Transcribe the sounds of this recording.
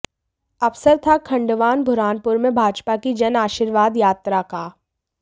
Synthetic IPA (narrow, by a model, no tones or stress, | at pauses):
ɐʋsəɾt̪ʰakʰɐ̃ɳɖʋaːnbʱʊɾaːnpʊɾmẽbʱaːd͡ʒpakid͡ʒɐnaːʃiːɾʋaːd̪jaːt̪ɾaka